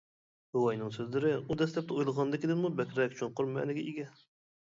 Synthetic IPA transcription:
uwɑjnɨŋsøzlɪɾɪud̪ɛslɛp̚t̪ɛujlˠəʁɑnd̪ɨkʲid̪ɪɾmubɛkʲɾɛk̚ʲt͡ʃʰoɴqʊɾmɛ̰nɪɡʲɛʔiɡʲɛ

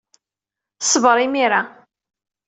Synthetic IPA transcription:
sˤəvɾˤimiɾa

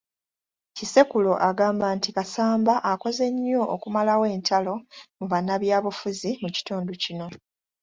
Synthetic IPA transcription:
cise̞kulo̞ʔaɡaːmbaːntikasaːmbaʔːko̞ze̞ɲːo̞ʔokumalawe̞ːntʰalo̞muβanːaβjaːβufuzimuci̥tuːnducino̞

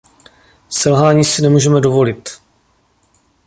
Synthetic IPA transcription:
sɛlɦaːɲiːsɪnɛmuːʒɛmɛdovo̞lɪt̪

